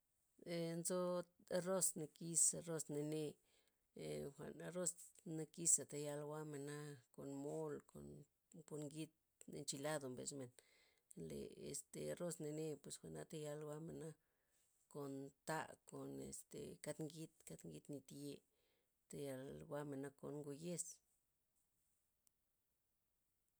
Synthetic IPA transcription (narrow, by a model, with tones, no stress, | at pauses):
e˧nzo˦˧ro˦sne˧ki˧sa˧ro˦sne˧ne˧˨ | xʷa̰˨na˧ɾo˦sne˧ki˦sa˨t̪a˧ja˧lwa˦me˨na˦ko˨nmo˦lko̰˨n | po˧ɾŋɡi˦t̪̚ | n˧nt͡ʃi˧la˦d̪o˨mbḛ˧sme˨n | lḛ˨ḛ˨st̪e˨ɾo˦sne˧ne˧pwe˨sxʷa˨na˧t̪a˧ja˧lwa˦me˨na˦ | ko˨nt̪a̰˧ko˨nḛ˨st̪ḛ˨ka˧t̪ŋɡi˦t̪ka˦t̪ŋɡi˧t̪ni˧t̪je˧ | t̪a˧ja˧lwa˦me˨na˦˧ko˨nŋɡo˧je˦s